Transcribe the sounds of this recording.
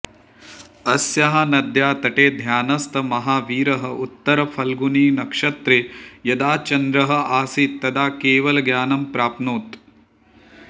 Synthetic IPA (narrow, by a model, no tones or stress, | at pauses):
ɐsjɐɦɐnɐd̪ʱjaːt̪ɐʈeːd̪ʱjaːnɐst̪ɐmɐɦaːʋiːɾɐɦɐ̆ʔut̪ːɐɾɐpʰɐlɡuniːnɐkʂɐt̪ɾeːjɐd̪aːt͡ʃɐnd̪ɾɐɦɐ̆aːsit̪ːɐd̪aːkeːʋɐlɐɡjaːnɐmpɾaːpnuːt̪